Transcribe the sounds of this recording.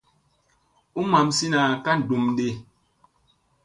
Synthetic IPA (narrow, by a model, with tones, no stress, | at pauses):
u˦ma˨msi˦na˨ka˦n̩˨du˨mde˦˨